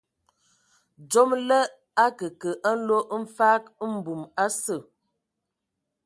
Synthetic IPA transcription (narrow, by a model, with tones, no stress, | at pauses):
d͡ʒo˦mlə˦ | a˦kə˨kə˨ʔa˦n̩˦lo˦ʔm̩˦faː˦km̩˨˦bu˨ma˦sə˦˨